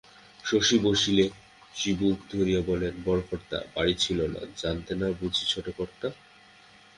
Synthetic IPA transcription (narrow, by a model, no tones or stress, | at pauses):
ʃoʃiboʃile | ʃibukd̪ʱoɾijabɔlenbɔɾokʰɔɾt̪a̰baɽit͡ɕʰilona̰d͡ʑant̪enabud͡ʑʱit͡ɕʰoʈekɔɾt̪a